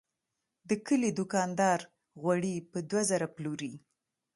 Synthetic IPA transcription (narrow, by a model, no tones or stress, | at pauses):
d̪əkəlid̪ʊkɑnd̪ɑɾ | ɣwaɽipəd̪wazaɾapluɾi